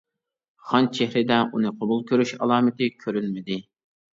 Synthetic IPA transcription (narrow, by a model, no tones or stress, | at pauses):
χɑnt͡ʃʰehɾɪd̪ɛʔunɨqʰobulˠkʲøɾyʃɑlˠɑːmɪt̪ɪkʲʰøɾylmɪd̪ɪ